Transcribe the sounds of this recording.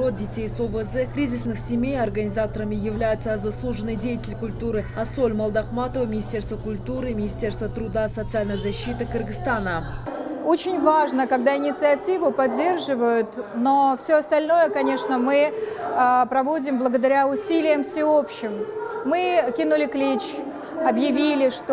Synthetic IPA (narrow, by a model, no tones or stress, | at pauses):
o̞t̪̚dʲɪtʲejsovəzɛkɾʲizʲɪsnɨχsʲɪmʲe̞jɐrɡənʲɪzat̪əɾəmʲɪjɪvlʲæjɪt̪səzaslˠuʐənːɨjdʲejətʲɪlʲkʊlʲt̪uɾɨɐsolʲmɐlˠd̪ɑqmɑt̪ovəmʲɪnʲɪsʲt̪ʲe̞rst̪vəkʊlʲt̪uɾɨmʲɪnʲɪsʲtʲe̞rst̪vət̪ɾʊd̪asot̪sɨalʲnəjzɐɕːit̪ɨkʰɨrɡɨst̪anə | o̞t͡ɕɪnʲvaʐnəkɐɡd̪aɪnʲɪt̪sɨɐtʲivʊpɐdʲːe̞rʐɨvəjʊt̪no̞fsʲɵɐst̪ɐlʲno̞jəkɐnʲe̞ʂnəmɨəpɾɐvo̞dʲɪmblˠəɡəd̪ɐɾʲaʊsʲilʲɪjəmfsʲɪo̞pɕːɪmːɨkʲinʊlʲɪklʲit͡ɕ | ɐbjɪvʲilʲɪʂt̪